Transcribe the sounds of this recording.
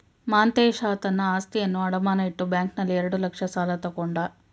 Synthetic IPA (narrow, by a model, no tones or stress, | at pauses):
maːnt̪eːʃaːt̪ɐnːɐaːst̪ijɐnːuɐɽɐmaːnɐiʈːubjaːŋknɐlːiɛɾeɽulɐkʂɐsaːlɐt̪ɐkoɳɖaː